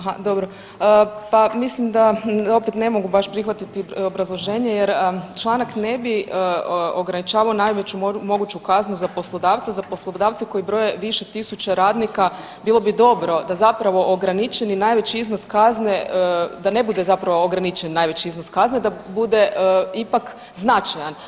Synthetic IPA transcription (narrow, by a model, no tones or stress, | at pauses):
aɦad̪o̞bɾo | əpamislimd̪ao̞pet̪nemo̞ɡubaʃpɾixʋat̪it̪io̞bɾazlˠo̞ʒe̞ːɲejeɾət͡ʃlˠanakne̞biəoɡɾanit͡ʃaːʋaonajʋet͡ɕumo̞ɡut͡ɕukaznuzapo̞slˠo̞d̪aːʋt̪azaposlˠod̪aːʋt̪seko̞ibɾo̞jeʋiʃet̪isut͡ɕeɾaːd̪nika | bilˠo̞bid̪o̞bɾo̞d̪azapɾaʋo̞ʔoɡɾanit͡ʃeninajʋet͡ɕiiznoskazned̪ane̞bud̪ezapɾaʋooɡɾanit͡ʃennːajʋe̞t͡ɕiiznoskazned̪abud̪e̞ipak | znat͡ʃajan